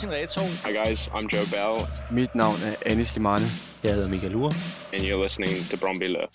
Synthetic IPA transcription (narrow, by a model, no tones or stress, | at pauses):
sinʁɛːt͡sʰomaɪɡaɪzã̰ɪ̃md͡ʒoʊbɛlˠmid̥nɑ̈ʊnæɐʔænislimɑnə | jɑhe̝ðˠɐmikʰæluɐ | ɛ̃njəlɪsnɪ̃ŋtʰəbɹɔ̃mbilə̰